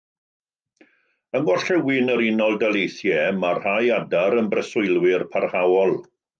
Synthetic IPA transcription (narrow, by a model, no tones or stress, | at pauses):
əŋɔɬɛwɪnəɾɪnɔlˠdalejθjɛmarhajadaɾənbrəsʊjlˠwɪrpʰarhawɔlˠ